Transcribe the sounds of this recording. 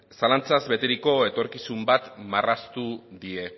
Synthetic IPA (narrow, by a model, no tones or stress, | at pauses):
salant͡sazβe̞t̪eɾiko̞e̞t̪o̞ɾkisumbat̪marast̪uðie̞